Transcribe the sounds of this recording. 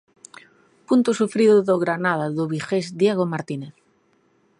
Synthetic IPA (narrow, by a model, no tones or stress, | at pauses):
punt̪osufɾiðoðoɣɾanað̞aðoβixezd̪jeɣomaɾt̪ineθ